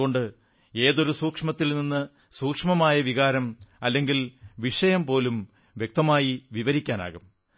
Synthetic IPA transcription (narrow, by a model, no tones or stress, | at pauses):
oɳɖɨ | e̞ːðo̞ɾusuːkʂmɐt̪ːilninːɨ | suːkʂmɐmaːjɐʋiɣaːɾɐmɐlːe̞ŋɡilʋiʂɐjɐmpo̞ːlum | ʋjek̚t̪ɐmaːjiʋiʋɐɾikʲːaːna̰ːɣum